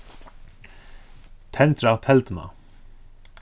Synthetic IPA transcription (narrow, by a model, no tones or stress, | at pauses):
t̪ʰɛnt̪ɾawt̪ʰɛlt̪ɪna̰